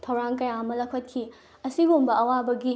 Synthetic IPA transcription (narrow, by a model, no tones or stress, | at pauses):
tʰɐwɾaŋkɐjaɐmɐlɐkʰɐt̚kʰi | ɐsiɡumbɐɐwabɐɡi